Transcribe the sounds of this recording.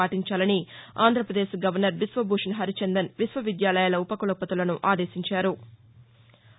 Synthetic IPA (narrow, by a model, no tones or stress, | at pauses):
aːʈiɲt͡ʃaːlɐnia̰ːnd̪ʱɾɐpɾɐd̪eːʃɡɐʋɐɾnɐɾʋisʋɐbʱuːʂnɦɐɾit͡ʃend̪ɐnʋisʋɐʋid̪jaːlɐjaːlɐupɐkulɐpɐt̪ulɐnuʔaːd̪eːʃiɲt͡ʃaːɾu